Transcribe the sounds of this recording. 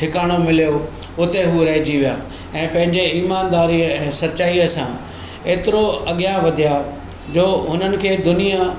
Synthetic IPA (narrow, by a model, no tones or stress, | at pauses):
ʈʰɪkaːɽ̃omɪlijo | ʊt̪eɦuɾɐɦɪd͡ʑiʋijaː | ɛ̃ːpɐ̃ɦɪ̃ɲd͡ʑeiːmaːnd̪aːɾiəɛ̃ːsɐtːt͡ɕaːiəsã | eːt̪ɪɾoɐɠjaʋɐd̪ʱija | d͡ʑoːɦʊnənɪ̆kʰeːd̪ʊnija